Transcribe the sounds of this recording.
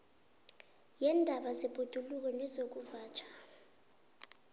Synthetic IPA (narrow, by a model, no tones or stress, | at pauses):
jɛndʱaɓazɛb̥ʱud̥ʱuluk̬ɔnɛzok̬uvaːt͡ʃʰʼḁ